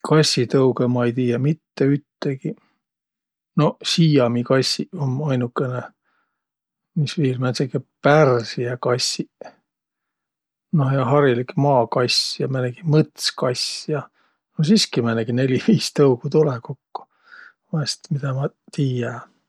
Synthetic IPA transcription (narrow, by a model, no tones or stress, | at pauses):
kʰɑsʲit̪ɤwkemɑejt̪iːjɑmit̪ːeyt̪ːeɡi | no̞siːjɑmikɑsʲːiomɑjnukːˑene | misviːlmæsekːepærsijɑkɑsʲi | nojɑɦɑɾilikmɑːkɑjsjɑmæneɡ̥imɤt̪skɑjsjɑ | nosiskimæneɡ̥ine̞lʲiviːst̪ɤukut̪ulekokːo̥ | vɑst̪mid̪ɑmɑ | t̪iːjɑ